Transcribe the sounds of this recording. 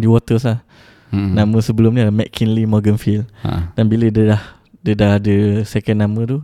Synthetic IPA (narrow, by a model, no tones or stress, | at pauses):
diwɔt̪əslah | nãmə̃səbəlʊmnĩlamɛʔkʰinlimɔɡənfil̰d̥anbilədədah | dədaadəsɛkənːamə̃t̪u